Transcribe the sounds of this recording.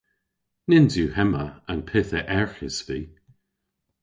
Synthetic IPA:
nɪnzjuhɛməənpʰɪθəʔɛɹxɪsviː

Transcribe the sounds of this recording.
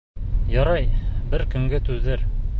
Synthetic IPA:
jɒɾɑjbɘɾkɵ̆ŋɡɘt̪ʉðɘɾ

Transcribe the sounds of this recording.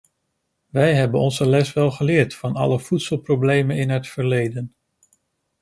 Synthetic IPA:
ʋɛjɦɛbənɔnzəlɛsʋɛlˠχəlɪːɹtfɑnɑ̰ləv̥utsəlˠprowblejmənɪnɦətfəɹlejdən

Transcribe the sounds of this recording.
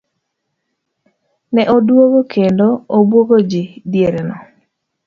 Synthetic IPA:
nɛʔodwoɡokʰendoobwoɡod͡ʒɪdjeɾenɔ

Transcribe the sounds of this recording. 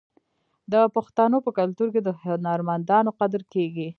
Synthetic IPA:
d̪əpaxt̪anopəkalt̪uɾked̪ənɑɾmand̪ɑnoqad̪ɾkeɡi

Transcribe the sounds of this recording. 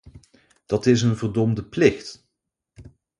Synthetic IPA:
d̥ɑtɪs̬ənvəɹdɔmdəplɪχt

